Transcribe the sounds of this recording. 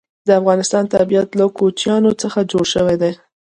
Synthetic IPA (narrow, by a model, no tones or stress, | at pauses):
d̪əafɣɑnɪst̪ɑnt̪abiat̪lakot͡ʃjɑnot͡səxad͡ʒoɽʃəwed̪e